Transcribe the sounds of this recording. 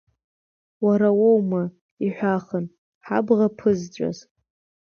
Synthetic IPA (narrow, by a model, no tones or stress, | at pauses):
waɾawowma | iħʷaχən | ħa̰bʁapʰɨzt͡ʃʷʼa̰z